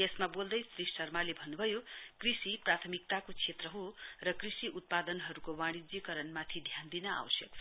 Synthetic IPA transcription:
esmabold̪ʌjsrissʌrmalebʱʌnːubʱʌjokrisiprat̪ʰʌmik̚t̪akot͡sʰet̪rʌɦorʌkrisiʔut̪̚pad̪ʌnɦʌɾukowaɽ̃id͡zikʌɾʌnmat̪ʰid̪ʱjand̪inʌa̰wʌsjʌk

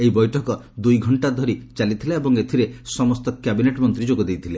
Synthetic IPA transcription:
eibɔjʈʰɔkɔ | d̪ujɡʱɔɳʈad̪ʱɔɾit͡ʃalit̪ʰilaebɔŋet̪ʰiɾesɔmɔst̪ɔkabineʈmɔnt̪ɾid͡ʒoɡɔd̪ejt̪ʰile

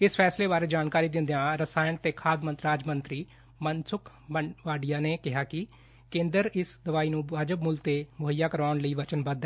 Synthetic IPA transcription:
ɪspʰɛːsleːbaːɾeːd͡ʒaːnkaːɾiːd̪ɪ̃nd̪ejãːɾəsaːjənt̪eːkʰaːd̪mənt̪ɾaːd͡ʒmənt̪ɾiː | mənsʊk | əʋaːɖijaːneːkɪɦaːkɪ | kẽːnd̪əɾɪsd̪əʋaːiːnũːaːd͡ʒəbmʊlt̪eːmʊɦəjːaːkəɾaːʊɳləiːʋət͡ʃənbəd̪

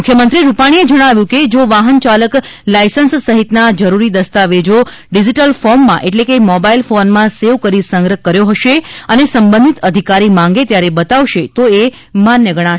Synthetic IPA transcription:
mukʰjəmənt̪ɾiɾupaɽ̃ied͡ʒəɽ̃aʋjũked͡ʒoʋaɦənt͡ʃaləklajsənsːəɦit̪nad͡ʒəɾuɾid̪əst̪aʋed͡ʒo | ɖid͡ʒiʈəlfɔɾmːã̰ʔeʈlekemɔbailfonmãseʋkəɾisəŋɡɾəɦkːəɾjoɦəʃeənesəmbənd̪ʱit̪əd̪ʱikaɾimãŋɡet̪jaɾebət̪aʋʃet̪oe | manjəɡəɽ̃a

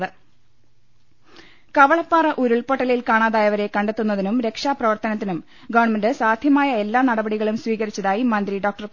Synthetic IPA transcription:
ðɨ | kɐʋɐɭɐpːaːrɐʔuɾuɭpoʈːɐlilkaːɳaːðaːjɐʋɐɾe̞kɐɳɖet̪ːunːɐðinumɾe̞kʂaːprɐʋɐrt̪ɐnɐt̪ːinum | ɡoʋɐrɳmɐndɨsaːd̪ʱjɐmaːjɐe̞lːaːnɐɽɐbɐɽiɣɐɭumsʋiːɣɐɾit͡ɕːɐðaːjimɐnd̪ɾiɖo̞ːk̚ʈɐr

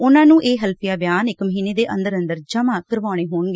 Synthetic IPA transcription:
ʊnãːnũːʔeːɦəlpʰijaːbjaːnɪkməɦiːneːd̪eːʔə̃nd̪əɾənd̪əɾd͡ʒəmaːkəɾʋaːɽ̃eːɦoːɳɡeː

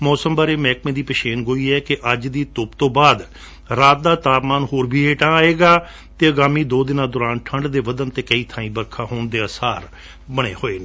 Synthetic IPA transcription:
mɔːsəmbaːɾeːmɛːkmẽːd̪iːpəʃeːnɡoːiːɛːkɪʔəd͡ʒd̪iːt̪ʊpt̪õːbaːd̪ | ɾaːt̪̚d̪aːt̪aːpmaːnhoːɾbʱiːɦeːʈaːaːeːɡaː | t̪eːəɡaːmiːd̪oːd̪ɪnãːd̪ʊːɾaːnʈʰəɳɖd̪eːʋəd̪ənt̪eːkəiːt̪ʰãːĩːbəɾkʰãːɦoːɳd̪eːəsaːɾ | bəɽeːhoːeːnː

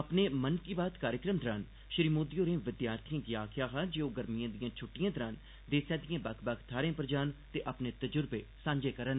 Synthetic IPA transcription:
əpneːmənkiːbaːt̪kaːɾjəkɾəmd̪əɾaːn | ʃɪɾiːmoːd̪ijoːɾẽːʋɪd̪jaːɾt̪ʰijãɡɪjaːkʰjaːɦaːd͡ʒeːoːɡəɾmijãːd̪ɪjãːt͡ʃʰʊʈːijãːd̪əɾaːn | d̪eːsãːd̪ijãːbəkʰbəkʰt̪ʰaːɾẽːpɾəd͡ʒaːnt̪eːʔəpneːt̪əd͡ʒʊɾbeːsãːɲd͡ʒeːkəɾən

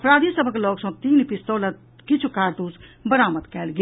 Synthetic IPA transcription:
pɾaːd̪ʱisəbʱəkloːksə̃t̪iːnpist̪oːlət̪̚ | kit͡ʃʰukaːɾd̪uːsbəɾaːməd̪kɛːlɡe

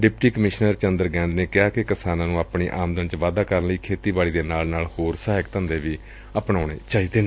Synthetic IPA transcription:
ɖɪpʈiːkəmɪʃnəɾt͡ʃənd̪əɾɡɛ̃ːnd̪neːkɪaːkɪkɪsaːnãːnũːaːpɳiːʔaːmd̪ənt͡ʃʋaːd̪aːkəɾənləiːkʰeːt̪iːbaːɽiːd̪eːnaːlnaːlhoːɾsaːɦəkt̪ə̃nd̪eːʋiː | əpɳaːʊɳeːt͡ʃaːiːd̪eːnː

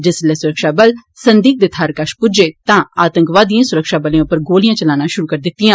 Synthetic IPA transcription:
d͡ʒɪslɛːsʊɾəkʃaːbəlsənd̪iːk̚d̪eːt̪ʰaːɾkəʃpʊd͡ʒeːt̪ãːaːt̪ə̃ŋkʋaːd̪ijãːsʊɾəkʃaːbəlẽãːʊpːəɾɡoːlijãːt͡ʃəlaːnãːʃʊɾuːkəɾd̪ɪt̪ːijãː

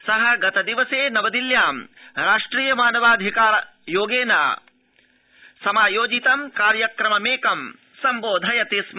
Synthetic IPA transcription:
sɐɦɐɡɐt̪ɐd̪iʋɐseːnɐʋɐd̪iljaːmɾaːʂʈɾiːjɐmaːnɐʋaːd̪ʱikaːɾɐ | joːɡeːna̰ː | sɐmaːjoːd͡ʒit̪ɐmkaːɾjɐkɾɐmɐmeːkɐm | sɐmboːd̪ʱɐjɐt̪ism

